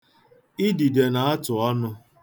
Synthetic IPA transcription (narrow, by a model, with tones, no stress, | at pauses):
i˦di˨de˨na˨a˦tʊ˨ɔ˦nʊ˦